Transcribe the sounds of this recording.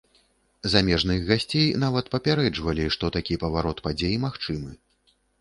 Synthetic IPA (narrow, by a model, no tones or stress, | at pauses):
zamʲɛʐnɨɣɣasʲt͡sʲejnavɐt̪pɐpʲaɾɛd͡ʐvɐlʲiʂt̪ɔt̪akʲipɐvaɾɔt̪pad͡zʲejimaxt͡ʂɨmɨ